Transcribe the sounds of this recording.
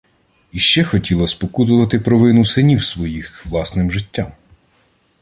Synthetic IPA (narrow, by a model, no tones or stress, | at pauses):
iʃt͡ʃɛxɔtʲilˠɐspɔkut̪ʊʋɐt̪ɪpɾɔʋɪnʊsɪnʲiwsʋɔjixʋlˠɑsnɪmʒɪtʲːam